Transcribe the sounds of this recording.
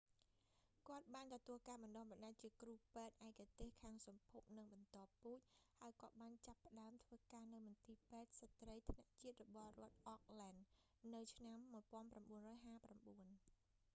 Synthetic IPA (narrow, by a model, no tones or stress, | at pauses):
kŏət̪̚ɓaːnt̪ɔt̪uəlkaːɓɑnɗohɓɑnɗac̚t͡ɕiəkruːpɛːt̪̚ʔaɛkat̪eːhkʰaːŋsɑmpʰup̚nɨŋɓɑnt̪ŏəpːuːc̚haəjkɔ̆ət̪ɓaːnt͡ɕapːə̆ɗaəmt̪ʰʋəːkaːnɨwmɑnt̪iːpɛːt̪̚sat̪rəjt̪ʰnaʔt͡ɕiət̪̚rɔɓɑhrŏət̪̚ʔɔk̚laːnː | ɨwt͡ɕʰnamːuəjpŏənpramɓuənrɔːjɦaːpramɓuən